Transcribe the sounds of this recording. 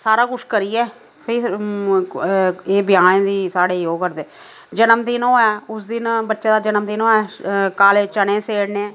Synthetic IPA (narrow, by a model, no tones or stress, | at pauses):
saːɾaːkʊt͡ʃʰkəɾiːɛː | pʰɪː | eːbɪjaːnẽd̪iːsaːɽeːjoːɡkəɾd̪eː | d͡ʒənəmd̪ɪnõːɛːʊsd̪ɪnbətːʃeːd̪aːd͡ʒənəmd̪ɪnoːɛːkaːleːt͡ʃənẽːseːɽnẽː